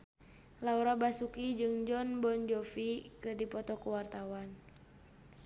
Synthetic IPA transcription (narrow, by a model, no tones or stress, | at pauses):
lauɾabasukid͡ʒɨŋd͡ʒɔnbɔnd͡ʒɔfikɨdipɔt̪ɔkuwart̪awan